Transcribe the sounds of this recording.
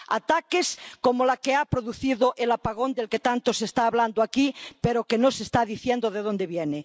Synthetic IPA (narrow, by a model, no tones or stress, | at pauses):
a̰t̪akeskomolakeapɾoðuθiðoʔelapaɣ̞o̞nd̪elket̪ant̪osest̪aːβland̪oakipeɾokenosest̪aðiθjend̪oðeð̞ond̪eβjene